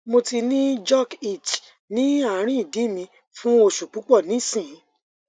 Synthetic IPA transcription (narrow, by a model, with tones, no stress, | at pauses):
mo˧ti˧nĩ˦d͡ʒɔ˦˨ki˦˨t͡ʃ | nĩ˨˦a˦˨˦ɾ̃ĩ˦˨di˨˦mĩ˧ | fũ˦o˧ʃu˨k͡pu˨˦k͡pɔ˦˨nĩ˨˦sĩ˦˨˦